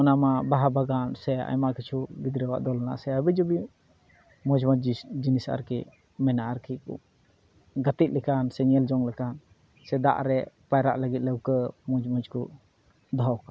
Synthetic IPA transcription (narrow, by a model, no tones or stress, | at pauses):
ɔnamabaɦabaɡansɛa̰jmaʔkʰit͡ʃʰubid̪ɾəwaʔd̪ɔlana̰sɛabɛd͡ʒɔbi | mɔd͡ʒmɔd͡ʒd͡ʒinisa̰ɾkiʔ | mɛnaaɾkʰikṵ | ɡət̪it̪̚lɛkansɛɲɛld͡ʒɔŋlɛkan | sɛd̪a̰ʔɾɛ | pajɾa̰ʔləɡit̪̚ləwkəmɔd͡ʒmɔd͡ʒku | d̪ʱɔwka